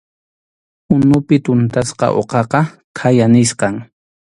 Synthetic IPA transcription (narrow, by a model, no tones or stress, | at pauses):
ʊnʊpɪt̪ʊnt̪asqɑ̰ʔo̰qɑqɑ | kʰajanɪsqɑŋ